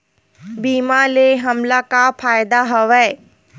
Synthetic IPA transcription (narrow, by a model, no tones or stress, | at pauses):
biːmaleɦɐmlakapʰaːjd̪aɦɔʋɛː